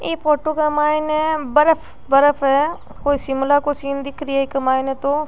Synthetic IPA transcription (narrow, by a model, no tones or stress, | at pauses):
eːpʰoːʈokamaːinɛbɐɾəfʰ | bɐɾəfʰɦɛ | koːisɪmlakosiːnd̪ɪkʰɾiɛkɐmaːɪnẽt̪o